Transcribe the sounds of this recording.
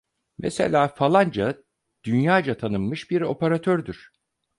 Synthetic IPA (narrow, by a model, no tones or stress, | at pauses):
mesḛlʲaːfalˠand͡ʒa | d̪̥ynjaːd͡ʒat̪ʰanɯnmɯʃbiɾo̞peɾat̪ʰøɾd̪yɾ̥